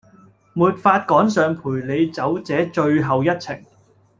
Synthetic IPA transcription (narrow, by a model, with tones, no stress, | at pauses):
muː˨t̚faː˧t̚kɔː˨˥ŋsœː˨ŋpʰuː˨˩jle˨˧jt͡sɐ˨˥wt͡sɛː˨˥t͡ʃɵ˧ɥɦɐ˨wjɐ˥t̚t͡sʰɪ̰˨˩ŋ